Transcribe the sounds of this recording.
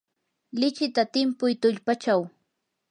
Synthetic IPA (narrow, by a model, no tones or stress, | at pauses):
lɪt͡ʃɪt̪at̪ɪmpʊjt̪ʊʎpat͡ʃaw